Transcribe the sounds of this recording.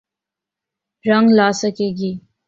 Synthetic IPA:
ɾaŋɡlɑːsakeɡi

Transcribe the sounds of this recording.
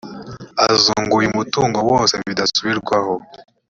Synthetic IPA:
azuːŋɡujimutuːŋɡo̞woːnse̞βidasuβiɾɡwaho

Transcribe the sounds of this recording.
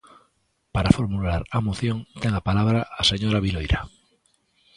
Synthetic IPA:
paɾafoɾmulaɾamoθjoŋt̪eŋapalaβ̞ɾaːseɲoɾaβ̞ilojɾa

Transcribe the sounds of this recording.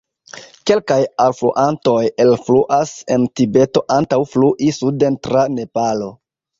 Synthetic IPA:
ke̞lkajalflṵʔanto̞jelfluʔase̞̰ntibe̞to̞ʔantawfluʔisudentɾane̞palo̞

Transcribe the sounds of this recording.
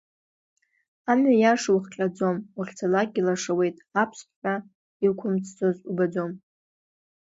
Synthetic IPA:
amɥajaʂwχqʲʼad͡zo̞muχʲt͡sʰalakʲʼilaʂawe̞jtʼapʰspʰħʷᶣa | ilkʷʰʊmt͡sʰt͡sʰʼozubad͡zo̞m

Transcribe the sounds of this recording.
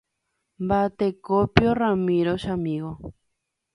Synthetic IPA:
mbat̪ekopjoramiɾoʃamiɣo

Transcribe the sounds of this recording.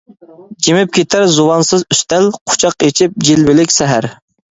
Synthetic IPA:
d͡ʒimɪp̚kʲʰet̪ʰæɾzuwɑnsɨzyst̪ælqʰʊ̥t͡ʃʰɑqet͡ʃʰip̚d͡ʒilbɪlɪkʲsɛɦæɾ

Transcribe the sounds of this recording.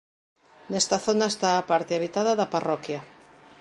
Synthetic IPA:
nɛst̪aθonaest̪aːpaɾt̪eaβ̞it̪að̞ɐðaparɔkja

